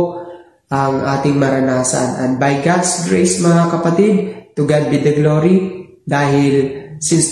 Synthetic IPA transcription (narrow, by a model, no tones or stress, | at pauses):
ʔɐŋʔaːt̪ɪŋmɐɾɐnaːsɐ̰nʔɐn̚bɐjɡad̪sɡɹejsmɐŋakɐpɐt̪id̪̚t̪ʊɡad̪̚bɪd̪ɐɡloɾid̪aːɦɪlsɪn